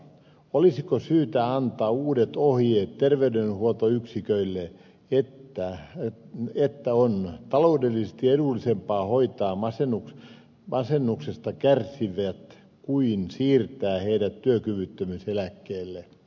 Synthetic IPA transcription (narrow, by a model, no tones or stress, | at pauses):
olisikosyːt̪æɑnt̪ɑːuːdet̪ohjeːt̪terʋeydenhuot̪oyksikøilːe | et̪ːæ | et̪ːæont̪ɑloudelːisest̪ieɾulːisempɑːhoit̪ɑːmɑsenuk | mɑsenːuksest̪ɑkærsiʋæt̪ | kuinsiːrt̪æːheidæt̪tyøkyʋyt̪ːømyselækːeːlːe